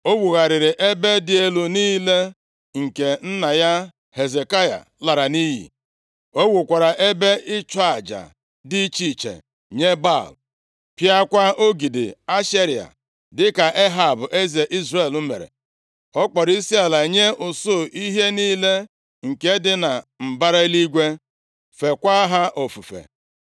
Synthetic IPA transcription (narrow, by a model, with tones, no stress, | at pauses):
o˦wu˨ɣa˨ɾɪ˨ɾɪ˨ʔe˦be˦dɪ˨e˨lu˨niː˦le˦ | ŋ̩˨ke˨n̩˦na˨ja˦ | he˨ze˨ka˦ja̰˨ | la˨ɾa˨ni˦ɦḭ˨ | o˦wu˨kʷa˨ɾa˨ʔe˦be˦ɪ˦t͡ʃɔ˦a˨d͡ʒa̰˨ | di˦t͡ʃi˦t͡ʃḛ˨ | ɲe˦ba̰˦˨l | pja˦kʷa˦o˦ɡi˨dɪ̰˨a˦ʃe˦ɾi˨a̰˨ | dɪ˦ka˨ʔe˦ɦa˨bʊ˨ʔe˦ze˨ʔi˦zre˨lu˦mḛ˨ɾḛ˨ | ɔ˦k͡pɔ˨ɾi˦si˦a˨la˨ɲe˦ʔʊ˨sʊ˦˨ʔi˦ɦe˦niː˦le˦ | ŋ̩˨ke˦dɪ˦na˨m̩˨ba˦ɾa˦i˦li˦ɡʷe˦ | fe˨kʷa˦ɦa˦ʔo˨fu˨fḛ˨